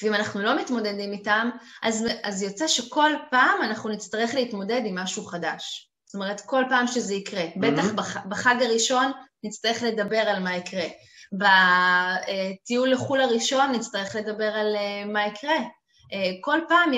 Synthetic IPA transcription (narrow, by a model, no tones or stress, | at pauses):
veimanaχnulo̞mitmo̞de̞dimitamʔazazjo̞t͡seʃe̞ko̞lpaːmanaχnunit͡st̪ɐʁe̞χleitmo̞de̞dimːaʃuχadaʃ | st̪o̞me̞ʁ̞etko̞lpaːmʃezeikʁe̞betaχbabaχaɡaʁiʃo̞nːit͡st̪ɐʁeχle̞dɐbe̞ʁalmaikʁe | ba | etijulːeχulaʁiʃo̞nːit͡st̪aʁeχle̞dabe̞ʁalemaikʁe̞ | eko̞lpaːm